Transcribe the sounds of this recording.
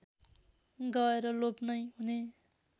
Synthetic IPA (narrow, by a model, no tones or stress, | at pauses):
ɡʌeɾʌlopnʌjɦune